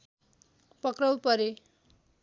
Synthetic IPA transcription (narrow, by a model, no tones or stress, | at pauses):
pʌkrʌwpʌɾe